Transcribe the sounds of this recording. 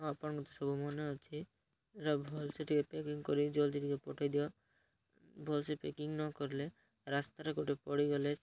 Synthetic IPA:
ɔapaɳɡɔt̪ɔsɔbumɔneɔt͡ʃʰi | eɾabʱɔlseʈʰikepekiŋkɔɾid͡ʒold̪ʱiʈikepɔʈʰajd̪iɔ | bʱɔlsepḛkiŋnɔkɔɾle | ɾast̪aɾekoʈʰepɔɽiɡɔle

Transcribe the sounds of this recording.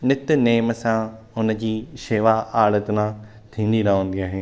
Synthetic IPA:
nɪt̪neːmsãɦʊnə̆d͡ʑiːʃeːʋaaːɭət̪nã | t̪ʰĩːnd̪inãɦõːnd̪iaːɦeː

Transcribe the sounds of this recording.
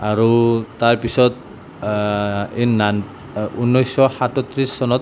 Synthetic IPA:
aɹut̪aɹpisɔt̪ | inːan | unːɔjsɔhatɔt̪ɾisːɔnɔt̪̚

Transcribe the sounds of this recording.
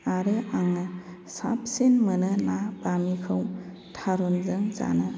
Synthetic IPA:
aɾɯaŋa | sa̰p̚senmənɯnabamikʰɯw | tʰaɾunzɯŋza̰nɯ

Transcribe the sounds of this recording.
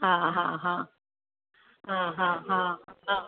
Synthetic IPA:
ɦãɦã̰ɦã | ãɦãɦãa

